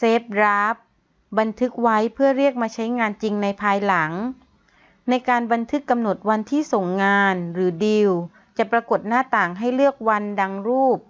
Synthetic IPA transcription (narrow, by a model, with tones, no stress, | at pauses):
seː˦˥p̚ɾa˦˥p̚ | ba˧nt̪ʰɯ˦˥k̚wa˦˥jpʰɯ˥˩əɾi˥˩ək̚maː˧t͡ɕʰa˦˥jŋaː˧nt͡ɕi˧ŋna˧jpʰaː˧jla˩˦ŋ | na˧jkaː˧nba˧nt̪ʰɯ˦˥kːa˧mno˨˩t̪̚wa˧nt̪ʰiː˥˩so˨˩ŋːaː˧nɾɯː˩˦di˧w | t͡ɕa˨˩pɾa˧ko˨˩t̪̚naː˥˩t̪aː˨˩ŋɦa˥˩jlɯ˥˩ək̚wa˧nda˧ŋɾuː˥˩p̚